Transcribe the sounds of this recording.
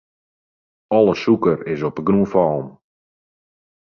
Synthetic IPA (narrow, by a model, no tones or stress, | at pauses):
ɔlˠəsukəɾɪsɔpəɡruəfɔlˠm